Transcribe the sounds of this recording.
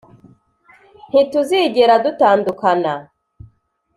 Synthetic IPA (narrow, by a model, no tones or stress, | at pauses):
n̥ituziːɟeɾadutaːndukana